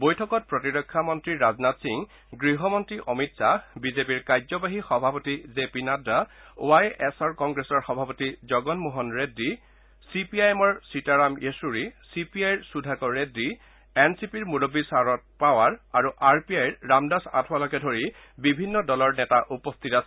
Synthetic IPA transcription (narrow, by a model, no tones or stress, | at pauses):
bojtʰɔkɔt̚pɹɔtiɹɔkʰːamɔntɹiɹaznatsiŋ | ɡɹiɦɔmɔntɹiʔɔmitsabizepiɹkajzɔbaɦixɔbʱapotizepinadao̰ajɛsɔɹkɔŋɡɹesɔɹxɔbʱapotizɔɡɔnmuɦɔnɹedːi | sipiajɛmɔɹsitaɹamʔesuɹisipiajɹsudʱakɔɹedːi | ɛnsipiɹmuɹobisaɹɔt̚pawaɹaɹuʔaɹpiajɹːamdasa̰tʰwalɔkɛdʱoɹi | bibʱinːɔdɔlɔɹnɛtaʔupɔstʰitasɛ